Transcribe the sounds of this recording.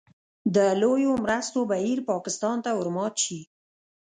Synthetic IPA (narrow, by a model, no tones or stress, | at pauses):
d̪əlojomɾəst̪obahiɾpɑkɪst̪ɑnt̪aʊɾmɑt̪ʃi